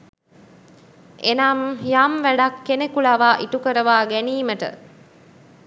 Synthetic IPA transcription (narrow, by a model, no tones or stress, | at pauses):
enaːmjaːmʋæɖakːenekuɭaʋaːʔiʈukəɾəʋaːɡæniːməʈə̰